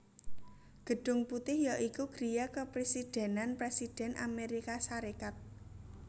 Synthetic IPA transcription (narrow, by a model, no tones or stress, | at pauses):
ɡ̥ə̤ɖ̥ʊ̤ŋput̪ɪhjaʔikuɡ̥ɾijakəpɾesid̥ɛ̤nanpɾesid̥ɛ̤nʔa̰meɾikasaɾekat̪̚